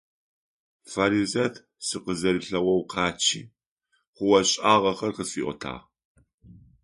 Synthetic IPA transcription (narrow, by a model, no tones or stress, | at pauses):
fɐɾizɐtʰ | sɨqəzɐɾɨɬɐwɐwqʰɑːt͡ʃʰiː | χʷʊwɐɕʼaːʁɐχɐrqəfiːʔʷɔ̰tʰa̰ːʁ